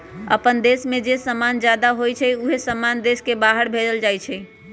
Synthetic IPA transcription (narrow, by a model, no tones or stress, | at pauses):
ə̰pənd̪esmẽd͡ʒesəmand͡ʒjad̪aɦojt͡ʃʰɛuɦesəmand̪eskebaɦəɾbʱed͡ʒəld͡ʒajt͡ʃʰɛ